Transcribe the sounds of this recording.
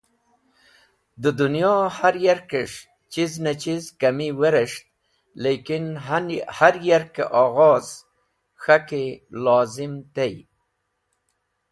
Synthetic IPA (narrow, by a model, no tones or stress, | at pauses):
d̪əd̪ʊnjɑhaɾjaɾkɪʂ | t͡ʃiznat͡ʃizkamiweɾɪʂt̪̚ | lekɪnhaɾjaɾkeʔɑɣɑz̥ | xakelɑzɪmt̪ej